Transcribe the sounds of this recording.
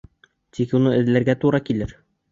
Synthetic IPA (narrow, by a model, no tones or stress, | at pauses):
t̪ikunɤɘ̆ðlæɾɡæt̪uɾɑkilɘɾ